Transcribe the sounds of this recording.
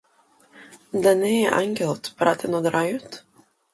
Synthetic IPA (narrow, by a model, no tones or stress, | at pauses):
d̪anɛʔa̰ŋɡʲelˠt̪pɾat̪ʰɛnɔd̪ɾajut̪